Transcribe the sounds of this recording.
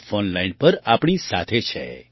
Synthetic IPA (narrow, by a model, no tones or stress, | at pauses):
fonlainpəɾapɳ̃isa̰t̪ʰet͡ʃʰḛ